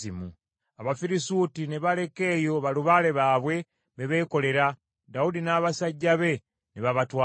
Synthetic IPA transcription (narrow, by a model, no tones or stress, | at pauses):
imu | aβafiɾisuːtineβale̞ke̞ːjo̞βaluβaːle̞βaːβwe̞ | βeβe̞ːko̞le̞ɾa | daudinaːβasaɟːaβe̞ | neβaβatwa